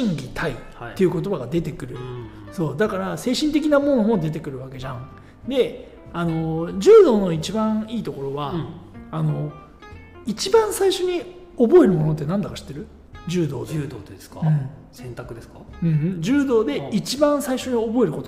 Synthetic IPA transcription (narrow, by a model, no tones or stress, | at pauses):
ɕĩŋɡʲit̪ʰaiː | e̞jiɯ̟ko̞t̪o̞baɡad̪e̞t̪e̞kɯ̟ɾɯ̟ | so̞ːd̪akaɾase̞ːɕĩnt̪̬e̞kʲinamo̞nomo̞d̪e̞t̪̬e̞kɯ̟ɾɯ̟βake̞ʑãŋ | d̪e̞ | ano̞d͡ʑɨːd̪o̞ːno̞it͡ɕibãɰ̃iːt̪o̞ko̞ɾo̞βaano̞ | it͡ɕibãɰ̃saiɕo̞ɲ̟i | obo̞e̞ɾɯ̟mo̞no̞t̪ːe̞nãnd̪akaɕi̥t̪ːe̞ɾɯ̟ | d͡ʑɨːd̪o̞̰ːd̪oːeskaɯ̟̃ɴsẽnt̪akɯ̟d̪eskaɯ̟̃d͡ʑɨːd̪o̞ːd̪e̞it͡ɕibãɰ̃saiɕo̞ɲ̟io̞bo̞e̞ɾɯ̟ko̞t̪o